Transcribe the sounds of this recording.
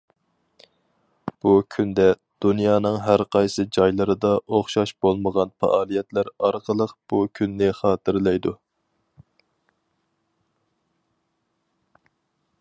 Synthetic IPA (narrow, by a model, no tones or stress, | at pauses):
b̥ukʲʰynd̪ɛ | d̪̥unjɑːn̪ɨŋɦæɾqʰɑjsɨd͡ʒɑjlˠɨɾɨd̪ɑʔoχʃɑʃb̥olˠməʁɑnfɑ̰ʔɑːlˠijɛt̪læɾɑɾqʰəlˠəqb̥ukʲʰynːɪχɑːt̪ʰɨɾlˠɛjd̪u